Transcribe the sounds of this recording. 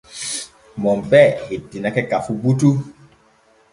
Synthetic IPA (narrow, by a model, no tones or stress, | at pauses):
mɔmbɛhidinakɛkafubutu